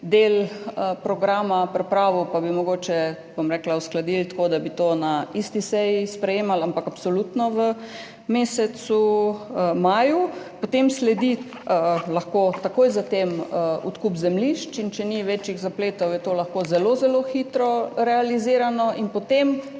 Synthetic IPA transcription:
d̪eləpɾɔɡɾaːmapɾɛpɾaːʋɔpabimɔɡoːt͡ʃɛ | bomɾɛːklausklad̪ilt̪koːd̪abit̪onaist̪isɛjispɾɛjeːmalampakapsɔlut̪nɔʋə | meːsɛsu | maːjupɔt̪emslɛd̪i | əlaxkoːt̪akoːjzat̪eməṵt̪kupzɛmliʃt͡ʃint͡ʃɛniʋɛt͡ʃiɣzapleːt̪ɔwjɛt̪oːlaxkoːzɛlozɛloːxit̪ɾɔɾɛaliziːɾanɔʔinpɔt̪em

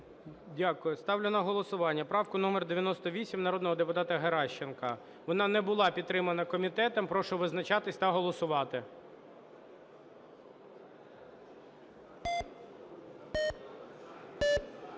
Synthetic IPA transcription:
dʲakʊjʊst̪ɑwlʲenɐɦɔlˠɔsʊʋɑnʲːɐpɾɑwkʊnumerd̪eʋʲjɐnɔst̪ɔʋʲisʲimnɐɾɔd̪nɔɦɔd̪epʊt̪ɑt̪ɐɦeɾɑʃt͡ʃenkɐ | ʋɔnɑnɛbʊlˠɑpʲid̪̚t̪ːɾɪmɐnɐkɔmʲit̪ɛt̪ɐmpɾɔʃʊʋɪznɐt͡ʃɑt̪ɪsʲt̪ɐɦɔlˠɔsʊʋɑt̪ɪ

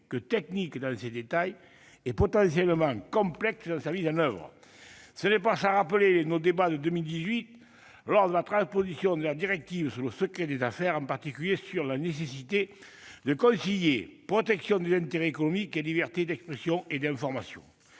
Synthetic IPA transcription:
kət̪ɛknikd̪ɑ̃sed̪et̪aj | ɛpɔt̪ɑ̃sjɛləmɑ̃ŋkɔ̃plɛksd̪ɑ̃samizɑ̃nœvʁə̰ | sənɛpasaʁapəlenod̪ebad̪əd̪əmild̪izɥit̪ | lɔʁd̪əlat̪χɑ̃spozisjɔ̃d̪əlad̪iʁɛk̚t̪ivəsyʁləsəkχed̪ezafɛʁɑ̃mpaʁt̪ikʲyljesyʁlanesesit̪e | d̪əkɔ̃sijepχɔt̪ɛksjɔ̃d̪ezɛ̃nt̪eʁeːkonɔmikelibɛʁt̪ed̪ɛkspχesjɔ̃ed̪ɛ̃fɔʁmasjɔ̰̃

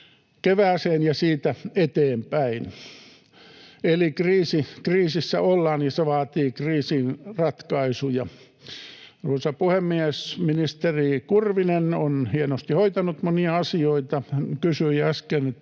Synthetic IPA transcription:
keʋæːseːnjɑsiːt̪æet̪eːmpæin | elikriːsikriːsisːæ̰olːɑːnjiseʋɑːt̪iːkriːsinrɑt̪kɑisujɑ | ruosɑpuhemːiesminist̪erikurʋinenonhienost̪ihoit̪ɑnut̪moniɑɑsioit̪ɑkysyiɑɑskenet̪ː

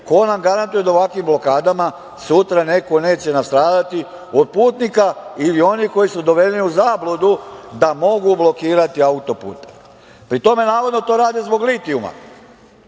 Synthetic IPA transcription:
ko̞namɡaɾant̪uje̞d̪aoakʋimblo̞kaːd̪ama | sut̪ɾane̞ko̞ne̞ːt͡ɕe̞nast̪ɾaːd̪at̪i | o̞d̪̚puːt̪nikailio̞niko̞jisud̪o̞ʋe̞leniuzaːblod̪ud̪amo̞ɡublo̞kiːɾat̪iaut̪o̞pṵːt̪e̥ | pɾit̪o̞me̞naːʋo̞d̪not̪o̞ːɾaːd̪ezbo̞ɡlit̪iuma̰

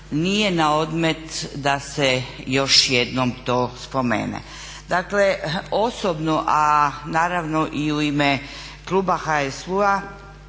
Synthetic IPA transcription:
nijenao̞d̪me̞t̪d̪asejo̞ʃjed̪nomt̪o̞ːspo̞mḛːnḛ | d̪akleosobnuʔanaːɾaʋnoʔiuime | klˠuːbaxaesua

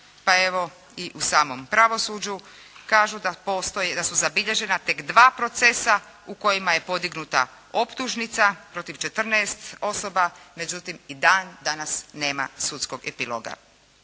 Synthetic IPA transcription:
pae̞ʋo̞ | iʔusaːmo̞mpɾaʋo̞suːd͡ʑu | kaːʒud̪apost̪ojd̪asuzabiʎe̞ʒe̞nat̪e̞kd̪ʋaːpɾo̞t̪se̞sa | uko̞jimaje̞po̞d̪iɡnut̪a̰ | o̞pt̪uʒnit̪sapɾo̞t̪iʋt͡ʃe̞t̪r̩nɛːst̪o̞sobame̞d͡ʒut̪imid̪aːnd̪anasne̞ːma̰sut̪skoɡepilo̰ɡa̰

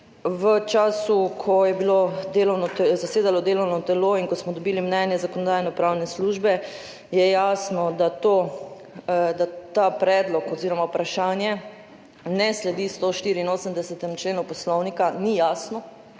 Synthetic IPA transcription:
ʋət͡ʃaːsukʰɔjɛbilod̪eːlɔwnɔzaseːd̪alɔd̪eːlɔwnɔt̪ɛloinkɔsmɔd̪ɔbiːlimnɛnjɛzakɔnɔd̪aːjnɔpɾawnɛsluʒbɛ | jɛjasnɔd̪at̪o | d̪at̪apɾɛːd̪lɔkɔziːɾɔmawpɾaʃaːnjɛ | nɛslɛd̪ist̪oʃt̪iːɾiːnoːsəmd̪ɛsɛt̪ɛmt͡ʃleːnupɔslɔwnikanijasnɔ

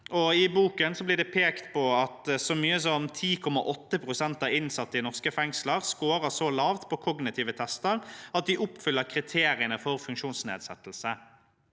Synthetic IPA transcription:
ʔɔɪbuːkənsɔblɪʁd̪ɛpʰeːkt̪pɔɑt̪sɔmyːəsɔnt̪ʰiːkʰɔmːɑ̰ʔɔt̪ːəpʰʁʊsɛnt̪ɑːʋɪnsɑt̪ːəɪnɔʁskəfɛŋsləʁskoːɾəsɔlɑːʋt̪pʰɔkʰɔɡnɪt̪ʰiːʋət̪ʰɛst̪əɾɑt̪̚d̪ɪʔʊpːfʏlːəkʰɾɪt̪ʰeːɾɪənəfɔɾfʉŋkʃuːnsnḛːd̪sɛt̪ːl̩sə

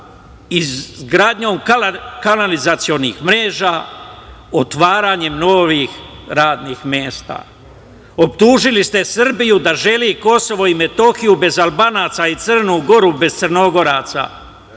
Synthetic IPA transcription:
izɡɾaːd̪ɲo̞ːmkkanalizat̪sijo̞nixmɾe̞ːʒaː | ot̪ʋaːɾaːɲe̞mnoːʋiːxɾaːd̪niːxmjeːst̪a̰ː | o̞pt̪uːʒilist̪e̞sr̩bijud̪aʒe̞liːko̞so̞ʋo̞ime̞t̪o̞xijube̞zalˠbaːnaːt̪sait̪sɨr̩nuːɡo̞ɾube̞z̥t̪sərno̞ɡo̞ɾaːt̪sa̰

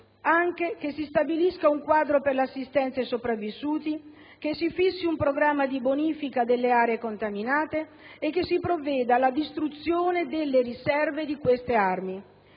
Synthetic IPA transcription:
aŋk̟ek̟esːist̪abiliskauŋkwaːd̪ɾoperleasːist̪ɛnt̪sesopɾavːisuːt̪i | k̟esːifisːiumpɾoɡɾamːad̪iboniːfikad̪elːeaːɾeekont̪aminaːt̪eː | kːesipɾovːɛːd̪alad̪ist̪ɾut̪sjoːned̪elːeɾisɛrved̪ikwest̪earmi

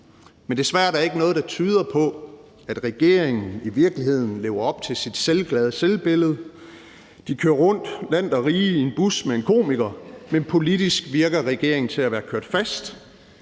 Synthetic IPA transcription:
mend̥e̝sʋæɐ̰d̥æɐe̝ɡ̥ənɔ̽ːð̞̩ˠd̥ɑ̈t͡sʰyːð̞ˠɐpʰɒ̽ | æd̥ʁɛɡ̥e̝ɐ̰e̝ŋn̩iʋiɐɡ̥liɦe̝ð̞̰ˠn̩le̝ːʊɐɒ̽b̥̚t͡sʰe̝lsid̥selɡ̥lɛð̞ˠselb̥e̝ləð̞̩ˠ | d̥ikʰøːɐʁɔ̽n̰d̥læn̰d̥ɒ̽ʁiːie̝nb̥usmeenkʰo̝̰ːmeɡ̥ɐmenpʰo̝lid̥isɡ̥ʋiɐɡ̥ɐʁɛɡ̥e̝ɐ̰eŋn̩t͡sʰe̝læʋæːɐkʰøɐd̥fæsd̥

